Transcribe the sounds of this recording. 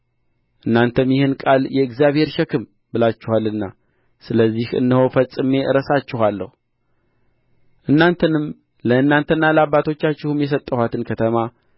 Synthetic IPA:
ʔɨnːant̪ʰəmjɪhɨnkʼaljɛɨkzijaβhe̞ɾʃɛkʰɨm | bɨlat͡ʃːɪhalːɨnːa | sɨləzːihɨ̰nːɨho̞fəsʼɨme̞ʔɨɾəsat͡ʃːɪɦalːə̰hu | ʔɨnːant̪ʰənɨm | ləɨnːant̪ʰənːaləaβːat̪ʰo̞t͡ʃːat͡ʃːɪhɨmjɛs̬ət̪ʼːəhat̪ʰɨnkʰət̪ʰəma

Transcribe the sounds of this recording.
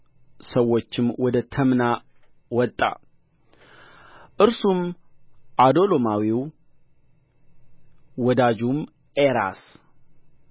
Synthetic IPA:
səwːo̞t͡ʃːɪmwɔd̪ət̪ʰəmna | wɔt̪ʼːa̰ | ʔɨɾsum | ʔad̪o̞lomawiw | wɔd̪ad͡ʒum | eɾa̰s

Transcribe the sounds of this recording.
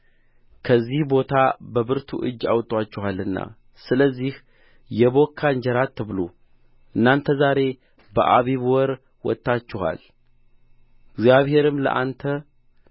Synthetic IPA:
kʰəzːihbo̞t̪ʰabəβɨɾt̪ʰuʔɨ̰d͡ʒːa̰wt̪ʼwat͡ʃːɪhalɨnːa̰ | sɨləzːih | jɛβo̞kʰːand͡ʒəɾat̪ʰːɨβlu | ʔɨnːant̪ʰəzaɾe̞ | bə̰ʔaβiβwɔɾ | wɔ̰t̪ʼːat͡ʃːɪha̰l | ɡzjaβhe̞ɾɨmlə̰ʔant̪ʰə

